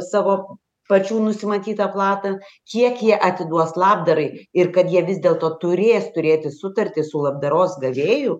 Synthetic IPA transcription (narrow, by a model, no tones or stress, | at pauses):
sɑːʋoː | pɐt͡ʃʲuːnʊsʲɪmɐt̪ʲiːt̪ɐplˠɑːt̪ɐkʲiɛkjiɛʔɐt̪ʲɪd̪uɔslˠɑːbd̪ɐɾɐɪɪrkɐt̪jiɛʋʲɪzʲd̪ʲeːlˠt̪oːt̪ʊɾʲeːst̪ʊɾʲeːt̪ʲɪsʊt̪ɐrʲt̪ʲɪsʊlˠɐb̚d̪ɐɾoːsɡɐʋʲeːjʊ